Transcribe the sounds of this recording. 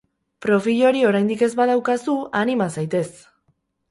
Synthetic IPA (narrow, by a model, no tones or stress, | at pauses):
pɾo̞fiʎo̞ɾio̞ɾajnd̪ike̞zβað̞awkasuanimasajt̪e̞s